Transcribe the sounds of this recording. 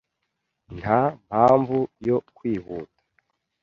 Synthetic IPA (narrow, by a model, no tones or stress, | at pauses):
nham̥haːɱvujo̞kwiːβuːtḁ